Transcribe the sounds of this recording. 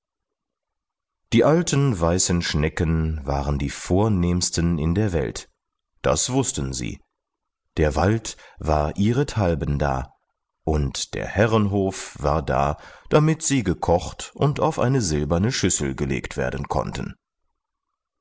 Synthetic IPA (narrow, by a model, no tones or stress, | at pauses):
d̥iːʔaltənvaɪsn̩ʃnɛkənva̰ːʁəndiːfoːɐneːmstənɪndeːɐvɛ̰lt | d̥a̰sv̥ʊstən̩zḭː | d̥eːɐvaltv̥aːɐʔiːʁətʰalbənda̰ː | ʔʊntd̥ḛːɐhɛʁənɦoːfv̥a̰ːɐda̰ːd̥amɪtz̥iːɡəkʰɔχtʔʊntaʊfʔa̰ɪnəzɪlbɐnəʃʏsl̩ɡəlḛːktv̥ḛːɐdən̩kʰɔ̰ntʰən̩